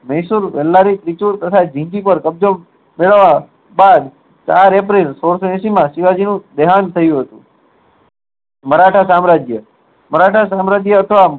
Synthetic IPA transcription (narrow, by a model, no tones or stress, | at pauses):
məisuɾʋɛlːaɾit̪ɾit͡ʃuɾt̪ət̪ʰad͡ʒʱĩŋd͡ʒipəɾkəb̚d͡ʒo | meɭəʋːa | bad̪ | t͡ʃaɾep̬ɾilsoɽsoɛ̃simãsiʋad͡ʒinũd̪eɦant̪ʰəjũɦət̪ṵ̃ | məɾaʈʰasamɾad͡ʒjə | məɾaʈʰasamɾad͡ʒjəət̪ʰəʋa